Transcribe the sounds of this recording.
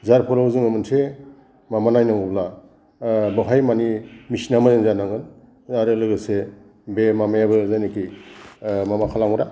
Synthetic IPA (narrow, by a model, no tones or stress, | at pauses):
zaɾpʰuɾawzɯŋɯmɯnsʰe | mamanajnaŋɔbla | bɯɦʰajmanimisinamazenzanaŋɯn | aɾɯlɯɡɯse | bemamajabɯzajniki | mamakʰalaŋɾa